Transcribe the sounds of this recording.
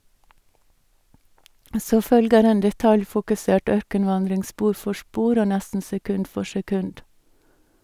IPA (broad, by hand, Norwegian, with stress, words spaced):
ˈsoː ˈfœlɡəɾ ˈeːn dɛˈtɑljfʊkʉˌseːʈ ˈœɾkənˌʋɑndɾɪŋ ˈspuːɾ ˈfɔ ˈspuːɾ ˈoː ˈnɛstn̩ sɛˈkʉnd ˈfɔ sɛˈkʉnd